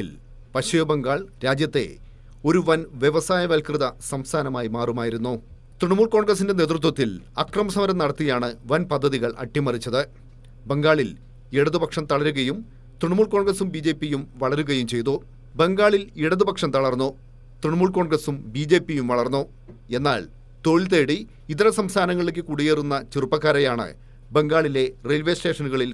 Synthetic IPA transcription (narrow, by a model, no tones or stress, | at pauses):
il | pɐɕujɐbeŋɡaːɭɾaːd͡ʑjɐt̪ːe̞̰ | o̞ɾuʋɐnʋjeʋɐsaːjɐʋɐlkrɨðɐsɐmst̪ʰaːnɐmaːjimaːrumaːjiɾun̪ːu | t̪rɨɳmuːɭko̞ːɳɡrɐs̬indene̞ːt̪rut̪̬wɐt̪ːilɐkrɐmɐsɐmɐɾɐmnɐɽɐt̪ːijaːɳɨʋɐnpɐd̪ʱːɐðiɣɐɭʔɐ̰ʈːimɐrit͡ɕːɐðɨ | be̞ŋɡaːɭil | iɽɐðubɐkʂɐmt̪ɐɭɐɾuɣɐjum | t̪riɳmuːɭkoːɳɡrɐsumbiːd͡ʑe̞ːpːijumʋɐɭɐɾuɣɐjumt͡ɕe̞jt̪u | be̞ŋɡaːɭiliɽɐðubɐkʂɐmt̪ɐɭɐrnːu | t̪riɳmuːɭko̞ːɳɡrɐsumbiːd͡ʑe̞ːpːijumʋɐɭɐrnːu | e̞nːa̰ːɭ | t̪o̞ɻilt̪̬eːɽi | it̪ɐɾɐsɐmst̪ʰaːnɐŋːɐɭek̬ʲːɨkuːɽijeːrunːɐt͡ɕirupːɐkːaːɾɐjaːɳɨ̰ | be̞ŋɡaːɭile̞relʋesʈe̞ːʂɐnuɣɐɭil